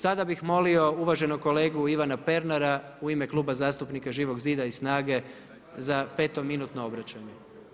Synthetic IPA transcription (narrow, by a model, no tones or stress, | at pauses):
sad̪abixmo̞lio̞uʋaʒe̞noko̞le̞ːɡuiʋanape̞ɾnaɾa | uime̞klˠuːbazaːst̪upnikaʒiːʋo̞ɡziːd̪aisnaːɡe̞ | zape̞ːt̪o̞minuːt̪noobɾat͡ɕaɲe